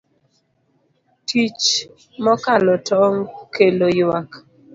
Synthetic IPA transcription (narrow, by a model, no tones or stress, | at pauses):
tʰit͡ʃ | mɔkalɔtʰɔŋkelojwak